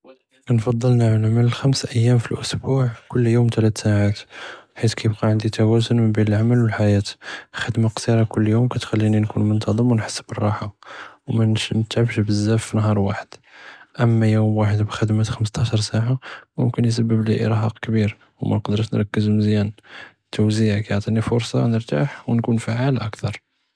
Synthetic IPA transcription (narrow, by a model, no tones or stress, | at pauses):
knfɑd̪ˤːəlnəʕnʕmələlxæmsʔəjːæmfilʔʊsbuʕkʊlːjumt̪læt̪saʕat̪ħit̪kæjəb̚qɑʕənd̪it̪æwæzʊnməmbinəlʕaməlwəlħajæt̪xəd̪maqsiɾˤɑkʊlːjumkæt̪xælːininkunmʊnt̪ɑd̪ˤəmwənħə̥sːbərˤːɑħawmænʃnət̪ʕəbʃbəzːæfːinɦɑɾˤwaħəd̪̥ʔəmːæjumwaħəd̪bxəd̪mæt̪xəməs̬t̪ɑʃɑɾˤsaʕamʊ̰mkənjs̬əbːəbliʔḭɾˤħɑqkbiɾ | wmæ̰nqd̪əɾʃnɾˤɑkːəzmzjæn | t̪ːuwziʕkæjʕt̪ˤinifʊɾsˤɑ̰nəɾt̪a̰ħwnkunfaʕalʔæ̰kt̪ɑɾˤ